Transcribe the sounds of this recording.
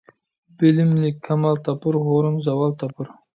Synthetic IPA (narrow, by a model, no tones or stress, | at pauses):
b̥ɪlɪmlɪkʲʰːɑmɑlˠt̪ʰɑpɨɾɦoɾɨnzɑwɑlˠt̪ʰɑpʰɨɾ